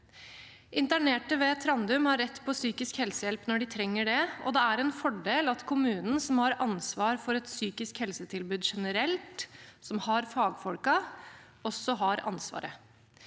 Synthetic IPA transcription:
ʔɪnt̪æɳeːʈəʋeːt̪ʰɾɑnd̪ʉmhɑɾːɛt̪ːpʰɔsyːkɪskhɛlsəjɛlpnɔɖɪt̪ʰɾɛŋːəɖɛɔ̰d̪ɛæɾɛnfɔɖeːlɑt̪kʰʊmʉːnən̩sɔmhɑɾɑnsʋɑːɾfɔɾɛt̪syːkɪskhɛlsət̪ʰɪlbʉːd̪ʂɛnəɾɛlt̪sɔmhɑɾfɑːɡfɔlkɑ | ɔsːɔɦɑɾɑ̰nsʋɑ̰ːɾə

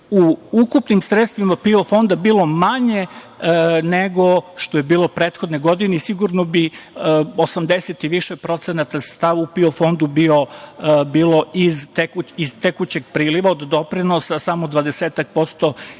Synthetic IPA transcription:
uukupnimsɾet̪st̪ʋimapiofo̞nd̪abiːlˠo̞maɲe̞ | neɡo̞ʃt̪ojebiːlˠo̞pɾeːt̪xo̞d̪neɡo̞d̪ineisiɡuɾnobi | osamd̪e̞set̪iʋiʃepɾo̞t̪senat̪asst̪aʋupiofo̞nd̪ubiobiːlˠo̞izt̪ekuizt̪ekut͡ɕe̞ɡpɾiːliʋaod̪d̪o̞pɾinosasamo̞d̪ʋad̪eseːt̪ak̚po̞st̪o

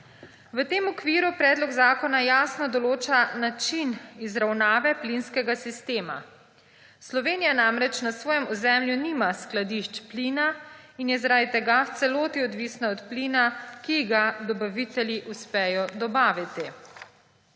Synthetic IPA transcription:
ʋət̪eːmɔkʋiːɾupɾɛːd̪lɔɡzaːkɔnajaːsnɔd̪ɔloːt͡ʃanat͡ʃinizɾawnaːʋɛplinskɛɡasist̪eːma̰ | slɔʋeːnijanamɾɛt͡ʃnasʋɔːjɛmɔzɛmljunimasklad̪iʃt͡ʃpliːna | injɛzaɾad̪it̪ɛɡaft̪sɛloːt̪iɔd̪ʋisnaɔt̪pliːnakiɡad̪ɔbaʋit̪ɛljiʔuspɛjɔd̪ɔbaːʋit̪i

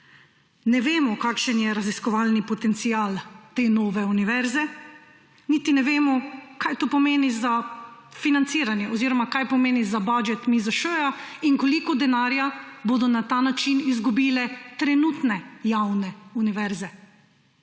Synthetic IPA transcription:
nɛʋeːmɔkaːkʃənjɛɾaziskɔʋaːlnipɔt̪ɛnt̪siaːlt̪enoːʋɛuniʋɛɾzɛ | nit̪inɛʋeːmɔkajt̪oːpɔmeːniza | finant̪siːɾanjɛʔɔziːɾɔmakajpɔmeːnizabad͡ʒɛt̪mizaʃøːjaiŋkɔlikɔd̪ɛnaːɾjabod̪ɔnat̪anat͡ʃinizɡubiːlɛt̪ɾɛnut̪nɛjawnɛuniʋɛɾzɛ

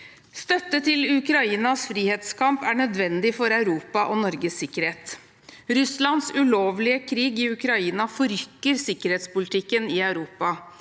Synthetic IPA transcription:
st̪œt̪ːət̪ʰɪlʉkɾɑiːnɑsfɾiːheːt̪skʰɑmpæɳœd̪ʋɛnd̪ɪfɔɾɑʉɾuːpɑʔɔnɔɾɡəsɪkːəɾheːt̪ | ɾʉslɑnsʉloːʋlɪəkʰɾiːɡɪʉkɾɑiːnɑfɔɾʏkːəɾsɪkəɾheːt̪spʊlɪt̪ɪkːənɪæʉɾuːpɑ

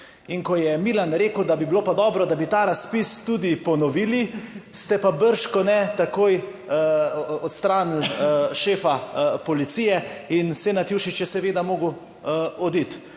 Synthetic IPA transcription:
iŋkɔjɛmilanɾeːkəwd̪abibiloːpad̪ɔːbɾɔd̪abit̪aːɾaspist̪ud̪ipɔnɔʋiːlist̪ɛpabəɾʃkɔnɛt̪akoːj | ɔt̪st̪ɾaːnilʃeːfapɔlit̪sijɛinsenat̪juːʃit͡ʃjɛsɛʋeːd̪amoːɡu | ɔd̪it̪

